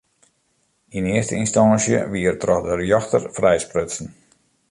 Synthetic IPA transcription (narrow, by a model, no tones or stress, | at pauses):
inɪəstəinstansjə̰ʋiərtrɔxdərjɔxtərfrɛjsprøtsn̩